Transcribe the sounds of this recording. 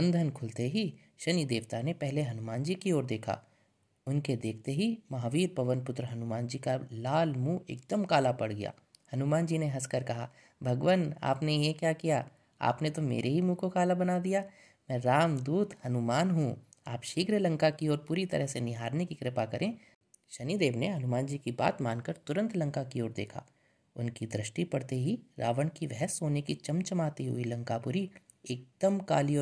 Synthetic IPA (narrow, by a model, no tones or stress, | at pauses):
ɐ̃nd̪ʱənkʰʊlt̪eɦi | ʃɐnid̪eːʋt̪anepɛɦleɦɐnʊmaːnd͡ʒikiɔːɾd̪eːkʰa̰ː | ʊnked̪eːk̚ʰt̪eɦimɐɦaːʋiːɾpɐʋənpʊt̪ɾəɦɐnʊmaːnd͡ʒikalaːlmũḛːk̚d̪əmkaːlapɐɽɡɐja̰ːhɐnʊmaːnd͡ʒiːneɦɐskɐɾkɐɦaː | bʱɐɡʋəna̰ːpnejekjaːkijaː | a̰ːpnet̪omḛːɾʔeɦimũkokaːlabɐnad̪ijaː | mɛ̃ːɾaːmd̪uːt̪hɐnʊmaːnɦũ | a̰ːpʃiːɡɾəlɐ̃ŋkakiɔːɾpuːɾit̪ɐ̰ɾəɦsenɪɦaːɾnekikɾɪpakɐɾẽː | ʃɐnid̪eːʋneɦɐnʊmaːnd͡ʒiːkiba̰ːt̪maːnkəɾt̪ʊɾə̃nt̪lɐ̃ŋkakioːɾd̪ḛːkʰa̰ː | ʊ̰nkid̪ɾɪʃʈipɐɽt̪eɦiɾa̰ːʋəɳ̃kiʋɛɦɛsːoːnekit͡ʃɐmt͡ʃɐmaːt̪iɦʊ̰ilɐ̃ŋkapʊɾi | ɪk̚t̪əmkaːliɔː